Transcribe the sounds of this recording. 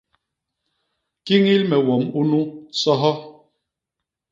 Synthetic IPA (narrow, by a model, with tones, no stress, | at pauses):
ki˦ŋi˦lmɛ˨wɔ˨mu˦nu˦sɔ˦ɦɔ˦